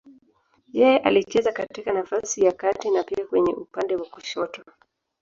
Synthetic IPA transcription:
jɛjɛʔalit͡ʃɛzakatikanafasijakatinapiakwɛɲɛ̰ʔupandɛwakuʃɔtɔ

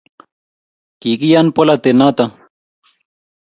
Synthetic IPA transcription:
kiːkijanpolat̪enaːt̪a

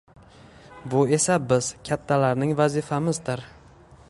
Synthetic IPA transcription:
bʊe̞sabɪz̥kʲʰat̪ʰːalaɾnɪŋvazɪfamɪzd̪ɪɾ

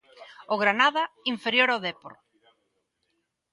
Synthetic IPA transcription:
oɣɾanaðɐiɱfeɾjoɾaðepo̰ɾ

